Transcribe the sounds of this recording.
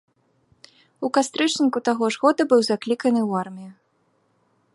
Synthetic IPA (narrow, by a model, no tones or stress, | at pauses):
ukast̪ɾɨt͡ʂnʲikut̪aɣɔʐɣɔd̪ɐbɨwzaklʲikɐnɨwarmʲiju